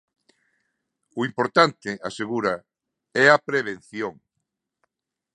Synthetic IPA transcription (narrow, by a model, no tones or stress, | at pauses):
ʊimpoɾt̪ant̪ɪaseɣuɾɐ | ɛɐpɾeβ̞enθjoŋ